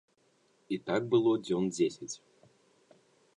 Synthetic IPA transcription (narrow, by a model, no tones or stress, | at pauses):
it̪ak̚bɨlˠodʲondʲesʲɪtʲ